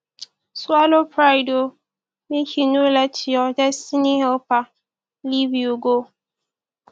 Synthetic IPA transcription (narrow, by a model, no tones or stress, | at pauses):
swalopɾaɪdo | mekinolɛtjɔd͡ʒɛstiniɦɛlpa | livjoɡo